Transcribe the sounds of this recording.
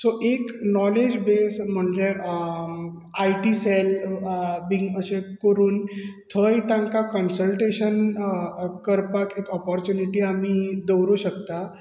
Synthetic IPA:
soʔeknɔled͡ʑbesm̤əɳd͡ʑe | ajʈisel | biŋɡəɕekəɾuːnt̪ʰəjt̪ãŋkakənsəlʈeɕən | kːəɾpakekɔpɔɾt͡ɕuniʈiːamiːd̪əwɾuɕəkt̪a

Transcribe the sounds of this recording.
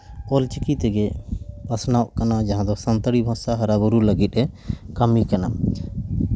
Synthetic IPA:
ɔlt͡ʃikit̪ɛɡɛpasnawʔkanad͡ʒaɦãd̪ɔsant̪əɽibʱɔ̃saɦaɾabuɾuləɡit̪̚ˀɛkamikana

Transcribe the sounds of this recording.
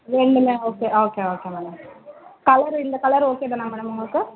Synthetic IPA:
ʋeɳɖɯmeːoːkeʔoːkeoːkeːmɛːɽɐmkɐɭɐɾind̪ɐkɐɭɐɾoːkeːd̪ɐnaːmɛːɽɐmuŋɡɐɭɯkɯ

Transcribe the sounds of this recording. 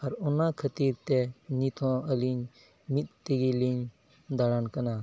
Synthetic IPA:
ɐɾʊnakʰət̪iːɾt̪enit̪ʰõəlin | mit̪̚t̪iɡiliɲ | d̪aɽankənaː

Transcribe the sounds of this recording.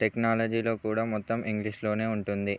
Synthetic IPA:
ʈeknaːlɐd͡ʒiːlo̞ːkuːɽaːmɔt̪ːɐmiŋɡliʂlo̞ːne̞ːuɳʈund̪i

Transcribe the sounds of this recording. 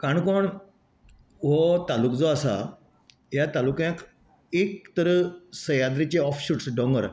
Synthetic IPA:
kaɳkoɳ | ɦɔt̪alukd͡zɔasa̰ | jat̪alukjãk | ek̚t̪əɾəsəjad̪ɾit͡ɕeɔfɕuːʈsɖɔ̃ŋɡəɾ

